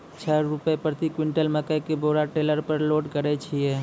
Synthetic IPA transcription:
t͡ʃʰəɾɾupəepɾət̪ikwiɳʈəlmekəjkeboɾaʈeləɾpəɾloɖkəɾɛt͡ʃʰiɛ

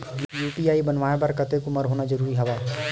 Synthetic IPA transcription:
juːʈiːaːibɐnʋaːẽbɐɾkɐt̪ekʊməɾɦoːnad͡ʒəɾuːɾiɦɐʋaː

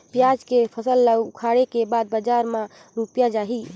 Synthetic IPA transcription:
pjad͡ʒkepʰəsəlːawkʰaɽekebad̪̚bəd͡ʒaɾma | ɾupjad͡ʒaɦi

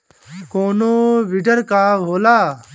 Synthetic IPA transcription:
koːnoːʋɪɖəɾkaːɦoːlaː

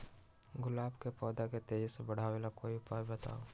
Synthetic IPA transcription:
ɡʊlaːbkepɔːd̪aket̪eːd͡ʒsebɐɽ̤aːelakoːiʊpaːjbɐt̪a̰ːo

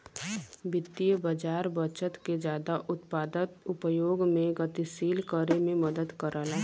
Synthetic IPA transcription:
bɪt̪ːijəbəd͡ʒaːɾbət͡ʃət̪ked͡ʒjaːd̪aʔʊt̪paːd̪ət̪ʊpəjoːɡmẽɡət̪isiːlkəɾemẽməd̪əd̪kəɾəla

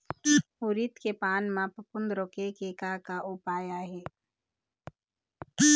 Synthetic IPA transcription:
ʊɾit̪kepaːnmãpəpʊnd̪ɾokekekakaʔʊpaːjaɦɛː

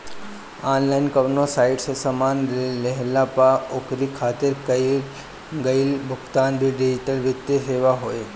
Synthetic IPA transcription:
aːnlaːɪnkɐʋnosaːɪʈsesɐmaːnɾlɛɦlapaokɾikʰaːt̪ɪɾkɐi | ɡəilbʱʊkt̪aːnbʱiɖɪd͡ʒɪʈəlʋɪt̪ːeseːʋaɦoːeː

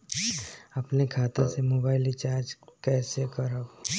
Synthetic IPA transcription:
ɐpnekʰaːt̪ãsemoːbaːɪlit͡ʃaːɾd͡ʒkɛːsekəɾab

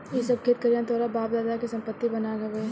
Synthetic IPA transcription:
jesɐb̚kʰet̪̚kɐɾjãnt̪ʰoːɽabaːp̚d̪aːd̪akisɐ̃mpət̪ːibɐnaɡɐbeː

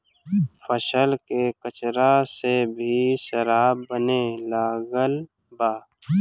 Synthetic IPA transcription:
fʰəʃəlkekət͡ʃɾasebʱiʃəɾaːbːənelaːɡəl | baː

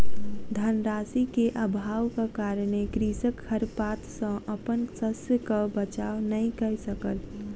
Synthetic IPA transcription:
d̪ʱanɾaːsikeʔəbʱaːwkakaːɾəɽ̃ekɾiːsəkʰːəɾpaːt̪sə̃ʔəpənsəsjəkabət͡ʃaːʋnəĩkəsəkəl

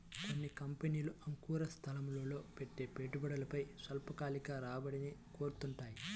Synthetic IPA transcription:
konːikɐmpeniːluʔɐŋkuːɾɐst̪ʰɐlɐmloːlo̞ːpeʈːe̞ːpeːʈubɐɽɐlɐpɐjsɐlpɐkaːlikaːɾaːbɐɽiniko̞ːɾut̪uɳʈaːji

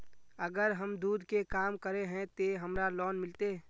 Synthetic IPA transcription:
əɡəɾɦəmd̪uːd̪ʱkekaːmkəɾeɦɛ̃t̪eɦɐmɾalɔːnmɪlt̪e

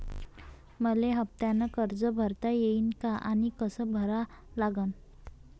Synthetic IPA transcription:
məleɦəp̚t̪janakəɾd͡zəbʱəɾt̪ajeinkaʔañikəsəbʱəɾalaɡən

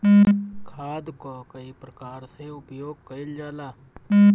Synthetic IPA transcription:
kʰaːd̪kokəipɾəkaːɾseʊpjoːɡ̚kəɪld͡ʒaːlaː

